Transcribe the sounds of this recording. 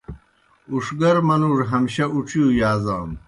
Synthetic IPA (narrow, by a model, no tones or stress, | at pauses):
uʂɡɐɾmɐnuːʐɦɐmɕɐuʈ͡ʂʰijujaːzaːm